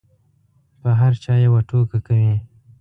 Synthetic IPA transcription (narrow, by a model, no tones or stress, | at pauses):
pəɦaɾt͡ʃɑjawaʈokakawi